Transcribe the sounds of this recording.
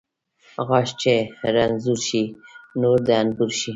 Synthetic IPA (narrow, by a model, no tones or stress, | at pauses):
ɣɑʃt͡ʃeɾanzuɾʃinoɾd̪aanbuɾʃi